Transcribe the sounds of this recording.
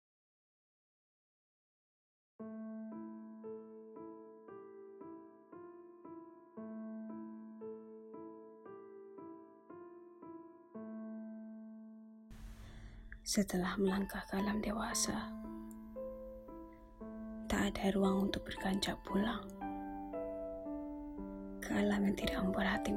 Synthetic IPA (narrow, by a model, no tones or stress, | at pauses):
sət̪əlahməlaŋkahkəalamdewasa | t̪aʔːdaɾuaŋunt̪ʊk̚b̥ərkaɲt͡ʃaʔpulaŋ | kəalamant̪idaʔəmbərɦat̪i